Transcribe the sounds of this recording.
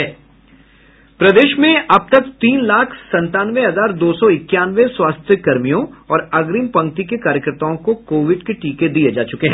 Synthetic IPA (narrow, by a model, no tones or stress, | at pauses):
ɛː | pɾɐd̪eːʃmẽʔɐb̚t̪ɐkt̪iːnlaːkʰsɐ̃nt̪aːnʋeɦɐzaːɾd̪oːsɔɪkːjaːnʋeswaːst̪ʰjəkɐɾmijõɔːɾɐɡɾiːmpɐ̃ŋk̚t̪ikekaːɾjəkəɾt̪aːõkokoːʋɪɖkeʈiːked̪ijed͡ʒaːt͡ʃʊkeɦɛ̃ː